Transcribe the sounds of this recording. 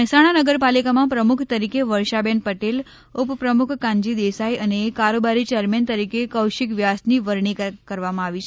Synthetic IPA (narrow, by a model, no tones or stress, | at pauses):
mɛɦsaɽ̃anəɡəɾpalikamãpɾəmʊkʰt̪əɾikeʋəɾʃabenpəʈel | ʊppɾəmʊkʰkãɲd͡ʒid̪esaiəneːkaɾobaɾit͡ʃeəɾment̪əɾikekəwʃɪkʋjasniʋəɾɳ̃ikkəɾʋamãaʋit͡ʃʰe